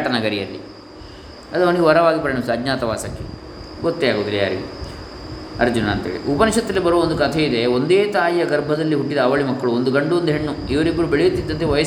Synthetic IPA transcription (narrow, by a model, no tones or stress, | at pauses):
ʈɐnɐɡɐɾijɐ̰lːḭ | ɐd̪ɐmɐnɡeʋɐɾɐʋaːɡipɐɾɐɳɐmsɐɐd͡ʒɲaːt̪ɐʋa̰ːsɐkːe | ɡot̪ːeaːɡoːd̪ilːija̰ːɾḭɡḛ | ɐ̰ɾd͡ʒunɐːnt̪ḛːɭḭʔupɐniʃɐt̪ːɐlːibɐɾuʋɐond̪ukɐt̪ʰeid̪eond̪eːt̪aːjjɐɡɐɾbʱɐd̪ɐlːiɦuʈːid̪ɐːʋɐɭimɐkːɐɭuond̪uɡɐɳɖuond̪uɦeɳːu | iʋɐɾibːɐɾubeɭejut̪ːid̪ːɐnt̪eʋɐjɐ